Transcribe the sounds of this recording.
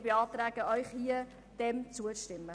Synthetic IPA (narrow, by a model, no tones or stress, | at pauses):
beɑːt̪ɾæːɡ̥əʔœʏχhiə | d̥ɛmt͡suəʃtɪmːə